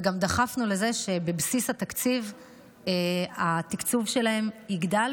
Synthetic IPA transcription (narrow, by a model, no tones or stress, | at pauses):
ɡamd̪aχafnule̞ze̞ʃe̞bebsishat̪akt͡siv | eat̪ikt͡suvʃe̞lae̞miɡd̪al